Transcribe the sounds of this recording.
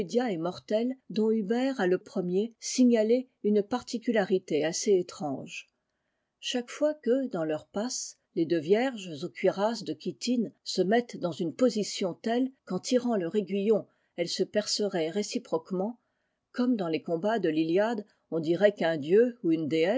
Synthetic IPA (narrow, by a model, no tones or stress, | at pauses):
ed̪jaɛmɔʁt̪ɛld̪ɔ̃ybɛʁaləpχəmjesiɲale | ynpaʁt̪ikʲylaʁit̪easeːt̪χɑ̃ʒ | ʃakfwakəd̪ɑ̃lœʁpas | led̪øvjɛʁʒzokɥiʁasd̪əkʲit̪insəmɛt̪d̪ɑ̃zynpozisjɔ̃t̪ɛlkɑ̃t̪iʁɑ̃lœʁeɡɥijɔ̃ | ɛlsəpɛʁsəʁɛʁesipχɔkmɑ̃ | kɔmd̪ɑ̃lekɔ̃bad̪əliljad̪ | ɔ̃d̪iʁɛkɛ̃d̪jøuynd̪eɛ